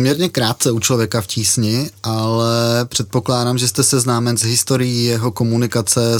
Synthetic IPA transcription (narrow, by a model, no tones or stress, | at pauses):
mɲɛɾɲɛkɾaːt̪̚t͡sɛut͡ʃlo̞vjɛkafciːsɲɪʔalɛpr̝̥ɛt̪̚po̞klaːdamʒɛst̪ɛsɛznaːmɛnzɦɪst̪o̞ɾɪjijɛɦo̞ko̞munɪkat͡sɛ